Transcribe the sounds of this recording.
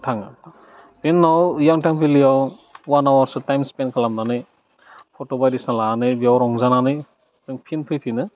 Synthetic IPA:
tʰaŋ | penːawjaŋtʰaŋpʰilijaw | wanawaɾsɯtajmspenkʰalamnanɯj | pʰɔtɔbajdisnalaanɯjbiawɾɔŋzananɯj | pʰɯŋpʰinpʰɯjpʰinɯ

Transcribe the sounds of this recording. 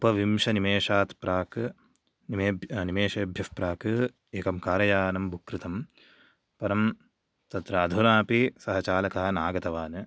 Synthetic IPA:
upɐʋimʃɐnimeːʂaːt̪pɾaːk | nimeːnimeːʃeːbʱjɐfpɾaːkɨ | eːkɐmkaːɾɐjaːnɐmbʱukɾɨt̪ɐm | pɐɾɐm | t̪ɐt̪ɾaːd̪ʱunaːpisɐɦɐt͡ʃaːlɐkɐɦɐnaːɡɐt̪ɐʋaːnɨ

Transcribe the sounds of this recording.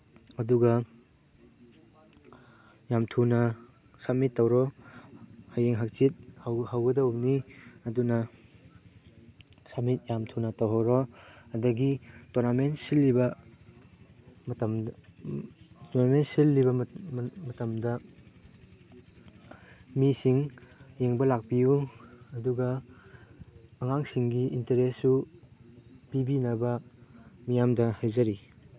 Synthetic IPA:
ɐduɡɐ | jamtʰunɐ | samitːɐwɾɔ | hajeŋɦak̚t͡ʃit̚hwhawɡɐdawniɐdunɐ | samit̚jamtʰunɐtɐwɦawɾɔɐdɐɡitoɾnamentsilːibɐ | mtm | tonamen̚silːibɐmɐtɐmdɐ | misiŋjeŋbɐlak̚pijuɐduɡɐ | ŋaŋsiŋɡiʔinteɾesːu | pibinɐbɐ | mijamdɐhajzɐɾi

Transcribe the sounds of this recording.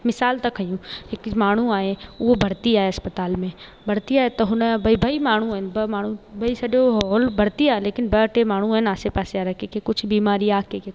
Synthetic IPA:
mɪsaːlt̪ɐkɐjũːɦɪkmaːɳ̤ũaːɦeʊɦobʱɐɽt̪iaːɦeɐspət̪aːlmẽ | bʱɐɽt̪iaːet̪ɐɦʊnbʱɐibʱɐimaːɳ̤ũɦɪnbɐmaːɳ̤ũbʱɐisɐɗoɦɔːlbʱɐɽt̪iaːɦeleːkɪnbɐʈemaːɳ̤̃ũaɦɪnaːsepaːsejaɾɐkekekʊt͡ʃʰbiːmaːɾiaːkeke

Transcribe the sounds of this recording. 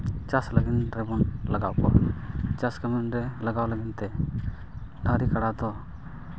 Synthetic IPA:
t͡ʃasləɡinɾɛbɔnlaɡaʔkɔ̰ʔt͡ʃaskamɛnɾɛlaɡawləɡint̪ɛ | d̪ʱaɾikaɽad̪ɔ

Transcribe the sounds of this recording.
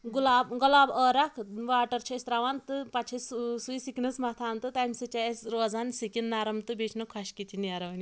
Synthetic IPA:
ɡulaːbɡɐlaːbəːɾɐkʰʋaːʈɐɾt͡ʃʰɐist̪ɾaːʋant̪ɨpɐt͡ʃʰɐssuisiknɨsmɐt̪ʰaːnt̪ɨt̪ajmʲsɨt͡ʃasɾoːzaːnsikʲinːaɾɐmt̪ɨbet͡ʃʰnɨkʰɐʃkit̪ʰiniaɾɐʋɐnʲi

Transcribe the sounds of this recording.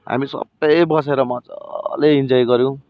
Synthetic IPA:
ɦa̰misʌ̰btʌjbʌs̬eɾʌmʌt͡sʌ̰leind͡zʌjɡʌɾjõ

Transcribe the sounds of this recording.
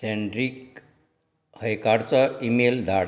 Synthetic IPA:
seɳɖɾik | həjkaɾt͡səimeld̪ʱaɽ

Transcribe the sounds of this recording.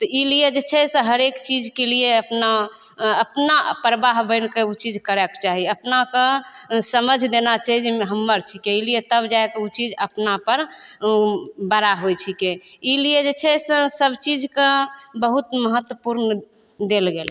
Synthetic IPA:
t̪ɔilijed͡ʒet͡ʃʰɛseɦəɾekt͡ʃid͡ʒkelieəpnaəpnapɾəbaɦbəɪnkeut͡ʃid͡ʒkəɾɛkt͡ʃaɦiəpnakesəməd͡ʒʱd̪enat͡ʃaɦid͡ʒɦəmːəɾt͡ʃʰikeilijet̪əbd͡ʒaekeut͡ʃid͡ʒəpnapəɾ | bəɾaɦojt͡ʃʰikeilijed͡ʒet͡ʃʰɛsesəbt͡ʃid͡ʒʱkebəɦut̪məɦət̪wəpuɾn | d̪elɡel

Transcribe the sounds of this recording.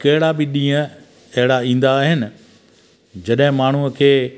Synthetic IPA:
kɐɦɪɽabɪɗĩːə̃ | ɐɦɪɽaĩːn̆d̪aːɦɪnɪ̆ | d͡ʑɐɗɦɪ̃maːɳ̤uəkʰeː

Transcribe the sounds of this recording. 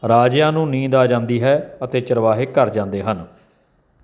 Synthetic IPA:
ɾaːd͡ʒjãːnũːnĩːd̪aːd͡ʒãːnd̪iːɦɛːət̪eːt͡ʃəɾʋaːɦeːkəɾd͡ʒãːnd̪eːɦən

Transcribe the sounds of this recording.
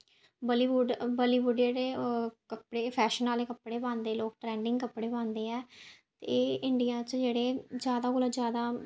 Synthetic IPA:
bəliːʋuɖbəliːbuɖd͡ʒeːɽeːkəpɽeːpʰɛːʃənaːleːkəpɽeːbãːnd̪eːloːk̚ʈɾɛ̃ːɳɖɪ̃ŋɡkəpːɽeːbãːnd̪eːɛːt̪eːɪɳɖijãːt͡ʃd͡ʒeːɽeːd͡ʒjaːd̪aːɡʊləd͡ʒjaːd̪aː

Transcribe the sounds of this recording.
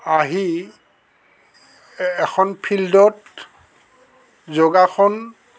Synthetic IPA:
aɦi | ɛkʰɔnpʰildɔt | zoɡakʰɔn

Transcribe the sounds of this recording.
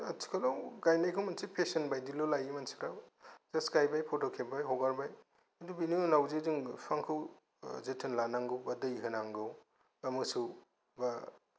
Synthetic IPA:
atʰi̥kʰalawɡajnajkʰɯwmansipʰesɐnbajdilolajimansi̥ɾawzaskajbajpʰotokʰep̚bajɦɔɡaɾbaj | adubiniunawzeziŋpʰaŋkʰuw | zetʰɯnlanaŋɡɯwbadɯiɦɯnaŋɡɯw | amɯsu | ba

